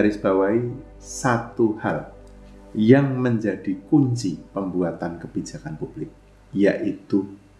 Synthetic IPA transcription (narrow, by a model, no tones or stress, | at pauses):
aɾɪsb̥awai | sat̪uhal | jaŋməɲd͡ʒad̥ikuɲt͡ʃipəmbuat̪ankəb̥id͡ʒakanpub̥lɪk̚ | jaʔit̪u